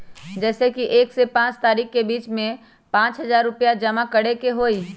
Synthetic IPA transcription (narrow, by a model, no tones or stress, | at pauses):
d͡ʒɛːsekiʔeːksepãːt͡ʃt̪aːɾiːkkebiːt͡ʃmẽ | pãːt͡ʃɦɐzaːɾːʊpjad͡ʒɐmakɐɽekeɦoːiː